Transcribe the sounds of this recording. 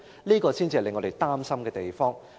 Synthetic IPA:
liː˥kɔː˧siː˥nt͡si˧ɐ˨˩lɪ˨˧ŋːɔ˨˧ɾe˨jt̪aː˥msɐ˥mkɛː˧t̪e˨jfɔː˥ŋ

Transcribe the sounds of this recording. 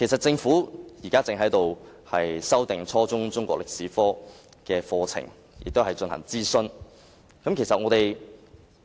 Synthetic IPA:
kʰe˨˩jsɐ˨t̚t͡sɪ˧ŋfuː˨˥jiː˨˩kaː˥t͡sɪ˨˧ŋɦɐ˨˥jt̪o˨whɐ˨jsɐ˥wt̪ɪ˨ŋt͡sʰɔː˥t͡sʊ˥ŋt͡sʊ˥ŋkʷɔ̰ː˥klɪ˨k̚siː˨˥fɔː˥ | kɛː˧fɔː˧t͡sʰɪ̰˨˩ŋ | jɪ̰˨k̚t̪whɐ˨˩jt͡ʃɵ˧nhɐ̰˨˩ŋt͡siː˥sɵ˥n | kɐ˨˥mkʰe˨˩jsɐ˨t̚ŋɔː˨˧t̪e˨j

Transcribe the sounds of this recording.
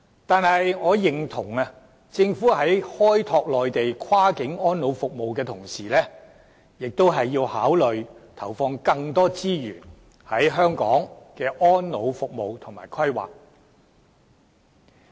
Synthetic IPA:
t̪aː˨nhɐ˨jŋɔː˨˧jɪ˨ŋt̪ʰʊ˨˩ŋɐ˧ | t͡sɪ˧ŋfuː˨˥ɦɐ˨˥jhɔː˥jt̪ʰɔː˧k̚lɔː˨jt̪e˨jkʰwaː˥kɪ˨˥ŋɔː˥nlo˨˧wfʊ˨k̚mo˨wkɛː˧t̪ʰʊ˨˩ŋsiː˨˩lɛː˥ | jɪ˨k̚t̪o˥wɦɐ˨jːiː˧whaː˨˥wlɵ˨ɥt̪ʰɐ˨˩wfɔː˧ŋkɐ˧ŋt̪ɔː˥t͡siː˥jyː˨˩n | hɐ˨˥jɦœː˥ŋkɔ̰ː˨˥ŋkɛː˧ʔɔː˥nlo˨˧wfʊ˨k̚mo˨wt̪ʰʊ˨˩ŋmaː˨˩jkʰɐ˥jwa̰ː˨k̚

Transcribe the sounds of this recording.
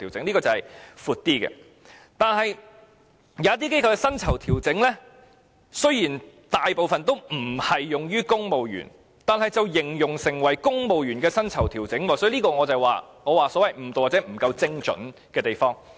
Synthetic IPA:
i˨˩wt͡sɪ˨˥ŋliː˥kɔː˧t͡sɐ˨whɐ˨jfuː˨˧t̚t̪iː˥kɛ̰ː˧ | t̪aː˨˧nhɐ˨j | jɐː˨˦jɐ˥t̪i˥ke˥jkʰɐ˧wkɛː˧sɐ˥nt͡sʰɐ˨˩wt̪ʰiː˨˩wt͡sɪ˨˥ŋlɛ˥ | sɵ˥ɥjiː˨˩n | t̪aː˨jpo˨wfɐ˨nt̪o˥wm̩˨˩hɐ˨jːʊ˨ŋjyː˥kʊ˥ŋmo˨wjy̰ː˨˩n | t̪aː˨˧nhɐ˨jt͡sɐ˨wjɪ˨˩ŋjʊ˨ŋsɪ˨˩ŋwɐ˨˩jkʊ˥ŋmo˨wjyː˨˩nkɛː˧sɐ˥nt͡sʰɐ˨˩wt̪ʰiː˨˩wt͡sɪ˨˥ŋwɔː˨˩sɔ˨˥˧liː˥kɔː˧ŋɔː˨˧t͡sɐ˨˩waː˨ŋɔː˨˧waː˨˩sɔ˨˥wɐ˨jm̩˨˩t̪o˨waː˨˩t͡sɛ˨˥m̩˨˩kɐ˧wt͡sɪ˥ŋt͡ʃɵ̰˨˥nkɛː˧t̪e˨jfɔː˥ŋ

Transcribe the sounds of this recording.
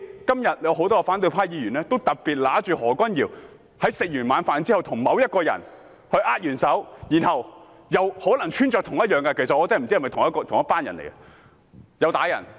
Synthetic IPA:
kɐ˥mjɐ˨t̚jɐ˨˧wɦo˨˥wt̪ɔː˥kɐ˧faː˨˥nt̪ɵ˧ɥpʰaː˥jiː˨˧ɥyː˨˩nlɛː˥t̪o˥wt̪ɐ˨t̚piː˨˩t̚laː˨˥t͡ʃyː˨˧hɔː˨˩kʷɐ˥njiː˨˩w | hɐ˨˥jsɪ˨k̚jyː˨˩nmaː˨˧nfaː˨˧nt͡si˥hɐ˨wt̪ʰʊ˨˩ŋmɐ˨˧wjɐ˥t̚kɔː˧jɐ̰˨˩n | hɵ˧ɥʔaː˥t̚jyː˨˩nsɐ˨˥wjiː˨˩nhɐ˨w | jɐ˨˧who˨˥wlɐ˨˩ŋt͡ʃʰyː˥nt͡ʃɔː˧k̚t̪ʰʊ˨˩ŋjɐ˥t̚jœː˨ŋkɐ˧kʰe˨˩sɐ˨t̚ɔː˨˧t͡sːm˨˩t͡si˥ɐ˨˩mɐ˨jt̪ʰʊ˨˩ŋjɐ˥tkɔː˧t̪ʰʊ˨ŋjɐ˥tpaː˥njɐ̰˨˩nlḛ˨˩jkɐ˧ | jɐ˨˧wt̪aː˨˧˥jɐ̰˨˩n

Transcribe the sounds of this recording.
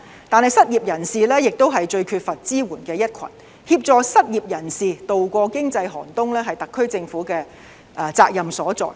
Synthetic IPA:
t̪aː˨˧nhɐ˨jsɐ˥t̚jiː˨p̚jɐ˨˩nsiː˨lɛː˥jɪ˨k̚t̪o˥wɦɐ˨jt͡ʃɵ˧ɥkʰyː˧t̚fɐ˨t̚t͡siː˥wuː˨˩nkɛː˧jɐ˥t̚kʷʰɐ̰˨˩n | hiː˧p̚t͡sɔː˨˧sɐ˥t̚jiː˨p̚jɐ˨˩nsiː˨t̪o˨wkʷɔː˧kɪ˥ŋt͡sɐ˧jɦɔ̰ː˨˩nt̪ʊ˥ŋlɛː˥ɦɐ˨jt̪ɐ˨kʰːɵ˥ɥt͡sɪ˧ŋfuː˨˥kɛː˧ | t͡saː˧k̚jɐ˨msɔː˨˥t͡sɔ̰ː˨

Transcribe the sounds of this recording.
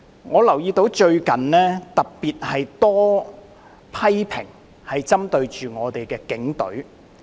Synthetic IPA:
ŋɔː˨˧lɐ˨˩wjiː˧t̪o˨˥wt͡ʃɵ˧ɥkɐ˨nlɛː˥t̪ɐ˨k̚piː˨t̚hɐ˨jt̪ɔː˥ | pʰɐ˥jpʰɪ̰˨˩ŋ | hɐ˨jt͡sɐ˥mt̪ɵ˧ɥt͡ʃyː˨ŋɔː˨˧t̪e˨jkɛː˧kɪ˨˥ŋt̪ɵ̰˨˥ɥ

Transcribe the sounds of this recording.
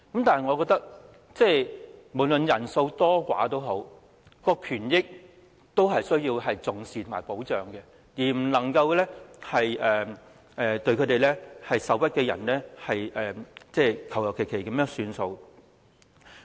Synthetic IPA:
kɐ˨˥mt̪aː˨nɦɐ˨jŋɔ˨˧kɔː˧k̚t̪ɐ˥k̚ | t͡sɛː˥˧mo˨˩lɵ˨njɐ˨˩nso˧wt̪ɔː˥kʷa̰ː˨˥t̪o˥wɦo˨˥w | kɔː˧kʰyː˨˩njɪ˥k̚ | t̪o˥wɦɐ˨jsɵ˥ɥjiː˧wɦɐ˨jt͡sʊ˨ŋsiː˨t̪ʰʊ˨˩maː˨˩jpo˨˥wt͡ʃœː˨ŋkɛ˧ | jiː˨˩m̩˨˩nlɐ˨˩ŋkɐ˧wlɛː˥hɐ˨jɛː˨ | ʔɛː˨t̪ɵ˧ɥkʰɵ˨˧t̪e˨jlɛ˥hɐ˨jsɐ˨˧wjɐ˥t̚kɛː˧jɐ̰˨˩nlɛː˥hɐ˨jʔɛː˨t͡sɛː˧kʰɐ˨˩wjɐ˨˩wkʰe˨˩jkʰe˨˩jkɐ˨˦mjœː˥ŋsyː˨˧nso˧w

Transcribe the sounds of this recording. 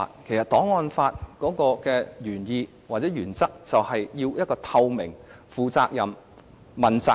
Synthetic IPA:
kʰe˨˩jsɐ˨t̚t̪ɔː˨˥ŋɔː˧nfaː˧t̚kɔː˨˥kɔː˧kɛː˧jyː˨˩njiː˧ | waː˨t̚t͡sɛː˨˥jyː˨˩nt͡sɐ˥k̚t͡sɐ˨whɐ˨jjiː˧wjɐ˥t̚kɔː˧t̪ʰɐ˧wmɪ˨˩ŋ | fuː˨t͡saː˧k̚jɐ˨m | mɐ˨nt͡sa˧

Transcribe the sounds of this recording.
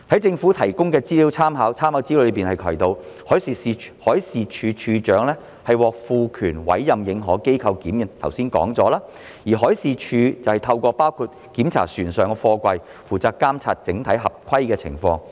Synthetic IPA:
hɐ˨˥jt͡sɪ˧ŋfu˨˥t̪ʰɐ˨˩jkʊ˥ŋkɛː˧t͡siː˥li˨˥wt͡sʰaː˥mɦaː˨˧˥wt͡sʰaː˥mhaː˨˥wt͡siː˥˧ɵ˨˧˥piː˨nhɐ˨jkʰɐ˨˩jt̪o˨˧w | hɔː˨˥jsiː˨˧i˨˧hɔː˨˥jsiː˨˧t͡ʃʰyː˧t͡ʃʰyː˧t͡ʃœː˨˥ŋlɛː˥ | hɐ˨jwɔː˨k̚fuː˧kʰyː˨˩nwɐ̰˨˥jːɐ˨mjɪ˨˧ŋɦɔː˨˥ke˥jkʰɐ˧wkiː˨˥mjɐ˨˩nt̪ʰɐ˨˩wsiː˥nkɔ̰ː˨˥ŋt͡sɔː˨˥laː˥ | jiː˨˩ɦɔː˨˥jsiː˨˧t͡ʃʰyː˧t͡sɐ˨whɐ˨˩jt̪ʰɐ˧wkʷɔː˧paː˥wkʰuː˧t̚ | kiː˨˥mt͡sʰa̰ː˨˩syː˨˩nsœː˨˩ŋkɛ˧fɔː˧kʷɐ˧j | fuː˨˩t͡saː˨kkːaː˥mt͡sʰa̰ː˧t̚t͡sɪ˨˥ŋt̪ʰɐ˨˥jɦɐ˨p̚kʰɐ˥jkɛː˧t͡sʰɪ̰˨˩ŋfɔ̰ː˧ŋ

